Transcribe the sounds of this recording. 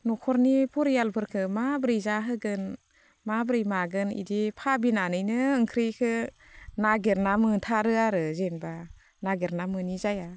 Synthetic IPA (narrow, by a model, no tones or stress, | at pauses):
nɔkʰɔɾnipʰɔɾijalbʰɯɾkʰɯmabɾɯjzaɦɯɡɯn | mabɾɯjmaɡɯnḭdipʰabinanɯjnɯːŋkʰɾikʰɯ | naɡeɾnamɯtʰaɾɯaɾɯzenba | naɡeɾnamɯnizaja